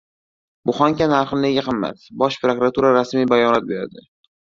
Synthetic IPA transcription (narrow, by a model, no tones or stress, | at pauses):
bʊχɒŋkʲanaɾχne̞ɡʲaqʰɨmːa̰t̪bɒʃpɾokɾat̪ʰuɾaɾasmijbajɒnat̪̚be̞ɾa̰d̪ɪ